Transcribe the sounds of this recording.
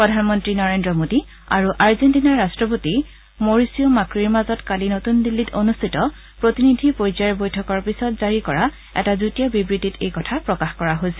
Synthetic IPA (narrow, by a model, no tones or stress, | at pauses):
pɹɔdʱanmɔntɹinɔɹendɹɔmodi | a̰ɹuʔaɹzentinaɹːastɹɔp̬oti | moɹisiomakɹiɹmazɔtkalinotundilːito̰nustʰitɔ | pɹotinidʱipojzaɹbojtʰɔkɔɹpisɔtzaɹikɔɹa | ɛ̰tazutijɔbibɹititejkɔtʰapɹɔkaxkɔɹaɦojsɛ